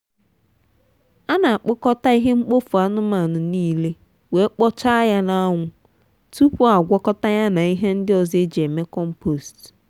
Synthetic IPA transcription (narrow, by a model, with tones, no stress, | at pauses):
a˦na˨a˨k͡pʊ˦kɔ˦ta˦i˦ɦe˦ŋ͡m̩˦k͡po˦fu˨a˦nʊ˦ma˨nʊ˨niː˦le˦ | we˨˦k͡pɔ˦t͡ʃa˦ja˦na˦ŋʷʊ˦ | tu˦pu˦a˨ɡʷɔ˦kɔ˦ta˦ja˦na˨i˦ɦe˦n̩˦dɪ˦ɔ˨ze˦d͡ʒe˨me˦kɔ˦m̩˦po˨st